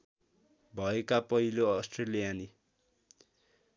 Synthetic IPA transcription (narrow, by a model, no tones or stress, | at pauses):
bʱʌekapʌɦiloʌsʈrelijani